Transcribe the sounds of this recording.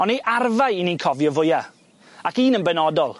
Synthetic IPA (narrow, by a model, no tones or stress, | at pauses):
ɔneʔarvajininkʰɔvjɔvʊja | akiːnənbɛnɔdɔlˠ